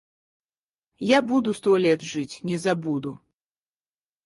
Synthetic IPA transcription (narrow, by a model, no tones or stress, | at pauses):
jabud̪ust̪ɔlʲɛt̪ʐɨt͡sʲnʲɛzabud̪u